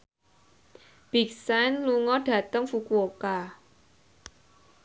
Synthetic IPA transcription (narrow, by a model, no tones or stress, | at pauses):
b̥iksajnluŋɔɖ̥ä̤t̪əŋfukuoka